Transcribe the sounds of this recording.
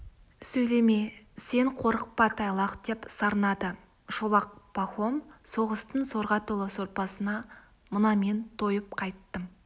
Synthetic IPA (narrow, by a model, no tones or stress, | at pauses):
sɵjle̞me | se̞ɴqʰo̞ɾəq̚pɑt̪ʰɑjlˠɑqd̪̥e̞psɑɾnɑd̪ə | ʒolˠɑq̚pɑχomso̞ʁəst̪ənso̞ɾʁɑt̪ʰolˠɑso̞ɾpɑsənɑ | mənɑme̞nt̪ʰo̞jəp̚qʰɑjt̪ːəm